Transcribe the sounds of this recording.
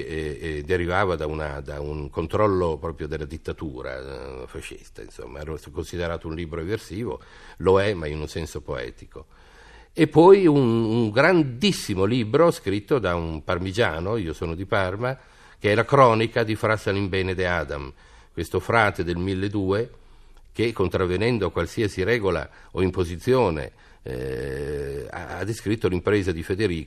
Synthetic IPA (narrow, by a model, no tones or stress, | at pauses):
d̪eɾivaːvad̪auna̰d̪a̰uŋkont̪ɾɔlːopɾɔːpɾjod̪elːad̪it̪ːat̪uːɾa̰faʃːḭst̪a̰ḭnso̰mːa̰ɛɾoskonsid̪eɾaːt̪ounliːbɾoeversiːvo̰ | loɛmainunsɛnsopoɛ̰ːt̪iko | epːɔjunuŋɡɾand̪isːimoliːbɾoskɾit̪ːod̪aumparmid͡ʒa̰ːnoiːosoːnod̪iparma | k̟eɛlakɾɔːnikad̪ifɾasalimbɛːned̪eaːd̪a̰m | kwest̪ofɾaːt̪ed̪elmilːed̪uːe | kekːont̪ɾavːenɛnd̪oakwalsiasiɾɛːɡola̰ | oimpozit̪sːjoːnḛ | a̰a̰d̪ːeskɾit̪ːolimpɾeːzad̪ifed̪eɾiːk